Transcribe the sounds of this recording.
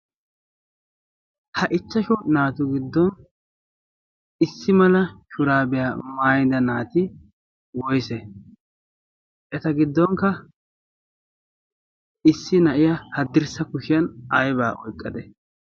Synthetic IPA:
hɐʔɪt͡ʃːɐʃʊnaːt̪ʊɡɪd̪ːɔn | ɪsːɪmɐlɐʃʊɾaːbɛjamaːjd̪ɐnaːt̪ɪ | wɔjsɛ | ʔɛt̪ɐɡɪd̪ːɔŋkɐ | ɪsːɪnɐʔɪjɐhɐd̪ːɪɾsɐkʊʃɪjɐnɐjba̰ːʔɔjkʼːɐd̪ɛ

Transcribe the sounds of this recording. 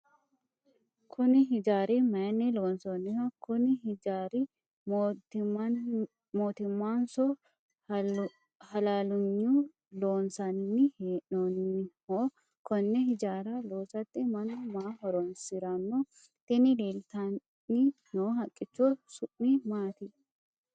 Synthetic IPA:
kʰʊnɪɦɪd͡ʒaːɾimɐjɐnːɪloːnsɔnːɪhɔkʊnɪhɪd͡ʒaːɾɪ | moːt̪ɪmːaːnsɔ | hɐlaːlʊɲːu | loːnsɐnːɪheːʔɔnːɪhoː | kɔnːɛhɪd͡ʒaːɾɐloːsɐt̪ːɪmɐnɐmaːɦɔɾɔnsɪɾɐnːɔ | t̪ɪnɪleːlt̪ɐ | ɪnoːɦɐkʼːɪt͡ʃːosʊʔnɪmaːt̪ɪ

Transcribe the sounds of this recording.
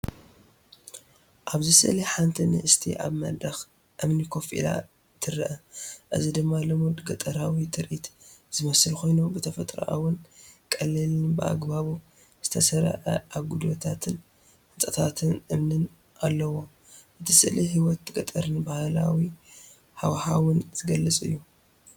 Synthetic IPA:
ʔaβzisɨʔliħant̪ʰinɨʔɨst̪ʰḭʔa̰βmɐ̰d̪ɐx | ʔɨmnikʰo̞fḭla̰ | t̪ʰɨɾɨʔɐʔɨzid̪ɨmːalɐmud̪ɡɐt̪ʼɐɾawit̪ʰʼɨɾʔit̪z̥ɨmɐsɨlkʰo̞jnubɨt̪ʰɐfɐt̪ʼɾɐ̰ʔa̰wʊnkʼɐlːilbɨʔa̰ɡbaβu | z̥ɨt̪ʰɐsɐɾɐ̰ʕɐ̰ʔaβɡud̪ot̪ʰat̪ʰɨn | hɨnt̪ʼɐt̪ʰat̪ʰɨnʔɨmnɨn | ʔalːɐwo̞ | ʔɨt̪ʰisɨʔlihiwɔt̪ːɡɐt̪ʼɐɾɨnbahlawi | hawħawʊnz̥ɨɡɐlːɨt͡sʼɨ̰jːu

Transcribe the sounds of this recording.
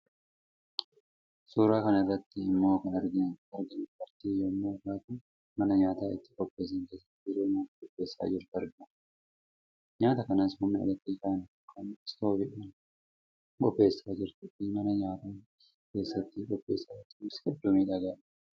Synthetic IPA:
suːɾaːkɐnɐrːɐt̪ːɪɪmːo̞ːkɐnɐɾɡɐɾɡɐnʊpɐɾt̪iːjomːoːɡaːt̪ʊ | mɐnɐɲaːt̪aːɪt̪ːɪ̥kʼɔb̥ːe̞ːs̬ɐŋke̞ːsːɐt̪ːɪɾoːmoːtkʼɔbːe̞ːsːa̰ːd͡ʒɪɾt̪ɐɾɡɐn | ɲaːt̪ɐkɐnaːshʊmnɪɐ̰dɐt̪ːikaːn | kɐnɪst̪oːbɛʔuːn | kʼɔbːe̞ːsːaːd͡ʒɪɾt̪ʊʔɪmɐnɐɲaːt̪aː | ke̞ːsːɐt̪ːɪkʼɔbːe̞ːsːaːɪt̪ːɪmɪsɡɛd̪ːɔmiːᶑɐɡaːl

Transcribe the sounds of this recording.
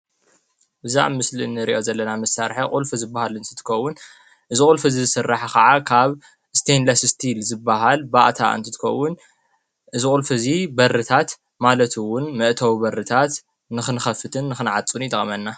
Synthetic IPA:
bɨza̰ʕmɨslinːɨɾḭʔo̞zɐlːɐnamɨsːaɾħɐqʼulfɨzɨbːahalɨnt̪ʰɨ̥t̪ʰɨ̥kʰɐwːʊn | ʔɨzikʼulfɨzizɨsɨrːaħakɐʕakʰaβ | st̪ʰenlasst̪ʰilzɨbːaɦalbaʔt̪ʰa̰ʔɨ̰nt̪ʰɨt̪ʰɨ̥kʰɐ̰wːʊn | ʔɨzikʼulfɨzibɐɾɨt̪ʰat̪ | malɐt̪ʰɨwʊnmɨʔt̪ʰɐwbɐɾɨt̪ʰat̪ | nɨxɨnɨxɐfɨt̪ʰɨnːɨxɨnʕat͡sʼunjt̪ʼɐχʼmɐnːa

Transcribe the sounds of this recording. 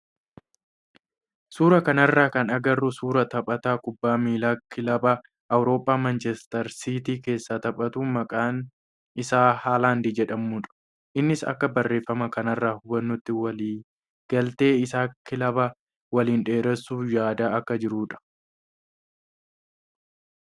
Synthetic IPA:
suːɾɐkɐnɐrːaːkɐnɐɡɐrːusuːɾɐt̪ɐpʼɐt̪aːkʊbːaːmiːlaːkɪlɐbɐ | ʔɐwɾo̞ːpʼːaːmɐnt͡ʃɛst̪ɐɾsiːt̪iːke̞ːsːaːt̪ɐpʼɐt̪uːmɐkʼaːn | ɪsaːhaːlaːnd̪iːd͡ʒɛᶑɐmuːᶑɐ̥ | ʔɪnːɪsɐ̰kːɐbɐrːe̞ːfːɐmɐkɐnɐrːaːhʊbɐnːʊt̪ːɪwɐliː | ɡ̥ɐlt̪e̞ːɪsaːkɪlɐbɐ | wɐliːnᶑe̞ːɾɛsːuːjaːd̪aːɐkːɐd͡ʒɪɾuːᶑɐ̥

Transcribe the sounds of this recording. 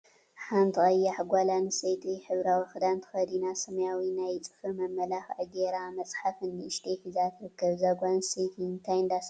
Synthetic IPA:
ħant̪ʰɨkʼɐjːaħɡʷalanɨsejt̪ʼiħɨβɾawixɨd̪ant̪ʰɐ̥xɐd̪inasɐmɐjawinajt͡sʼɨ̥fɨmɐmːɐlaxʕɨɡeɾamɐt͡sʼħafɨnːɨɨʃt̪ʰefizat̪ʰɨɾɨkːɐβzaɡʷansejt̪ʰɨnt̪ʰajɨnd̪as

